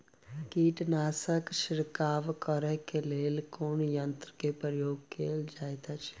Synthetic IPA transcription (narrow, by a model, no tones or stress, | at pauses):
kiːʈnaːsəkʃɪɾkaːʋkəɾəɦkeleːlkoːnjə̃nt̪ɾəkepɾɾəjoːɡkeːld͡ʒaːet̪ət͡ʃʰ